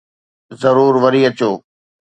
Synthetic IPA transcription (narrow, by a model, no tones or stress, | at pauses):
zɐɾuːɾʋɐɾiɐt͡ɕoː